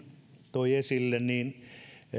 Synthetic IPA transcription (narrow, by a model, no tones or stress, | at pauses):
t̪oiesilːenniːn